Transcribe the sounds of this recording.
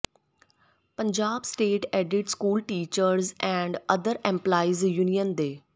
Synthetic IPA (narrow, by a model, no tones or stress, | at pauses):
pə̃ɲd͡ʑaːbsʈeːʈeːɖɪʈskuːlʈiːt͡ɕəɾzɛ̃ɳɖɐd̪əɾɛ̃mplaːizjuːnijənd̪eː